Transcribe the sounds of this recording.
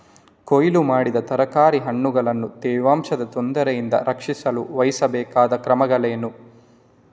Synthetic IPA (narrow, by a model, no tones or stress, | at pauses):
kojlumaːɽid̪ɐt̪ɐɾɐkaːɾiɦɐɳːuɡɐɭɐnːut̪ɛːʋaːmʂɐd̪ɐt̪ond̪ɐɾɐjind̪ɐ̰ɾɐkʂisɐluʋɐjisɐbɛːkaːd̪ɐkɾɐmɐɡɐɭeːnu